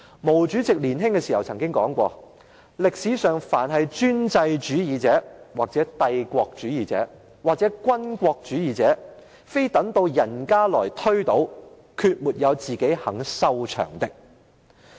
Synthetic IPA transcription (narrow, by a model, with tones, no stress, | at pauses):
mo˨˩wt͡ʃyː˨˥t͡sɪ˨k̚liː˨˩nɦɪ˥ŋkɛː˧siː˨˩hɐ˨˩wt͡sʰɐ˨˩ŋkɪ˥ŋkɔː˨˥ŋkʷɔː˧ | lɪ˨k̚siː˨˧sœː˨ŋfaː˨˩nɦɐ˨jt͡ʃyː˥nt͡sɐ˧jt͡ʃyː˨˥jiː˨t͡sɛː˨˥waː˨k̚t͡sɛː˨˥t̪ɐ˧jkʷɔː˧k̚t͡ʃyː˨˥jiː˨t͡sɛ̰ː˨˥ | waː˨k̚t͡sɛː˨˥kʷɐ˥nkʷɔː˧k̚t͡ʃyː˨˥jiː˨˧t͡sɛː˨˥ | fe˥jt̪ɐ˨˥ŋt̪o˧wjɐ˨˩nkaː˥lɔː˨˩jt̪ʰɵ˥ɥt̪o˨˥w | kʰyː˧t̚muː˨˩t̚jɐ˨˧wt͡siː˨ke˨˥hɐ˨˩ŋsɐ˥wt͡ʃʰœ̰ː˨˩ŋt̪ɪ˨k̚